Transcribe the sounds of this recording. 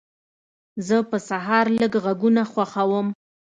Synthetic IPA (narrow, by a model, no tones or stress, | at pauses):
zəpəsaɦɑɾləɡɣaɡunaxwaxawəm